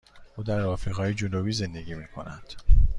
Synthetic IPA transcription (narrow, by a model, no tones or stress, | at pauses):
uːd̪æɾɒːfiːɣɒːjed͡ʒonobiːze̞nd̪e̞ɡiːmiːkʰo̞̰næ̰nd̪̥